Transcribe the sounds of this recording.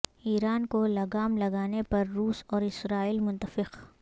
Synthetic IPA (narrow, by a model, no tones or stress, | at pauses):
iːɾaːnkolɐɡaːmlɐɡaːnepɐɾːuːsɔːɾɪsɾaːiːlmʊ̃nt̪əfɪq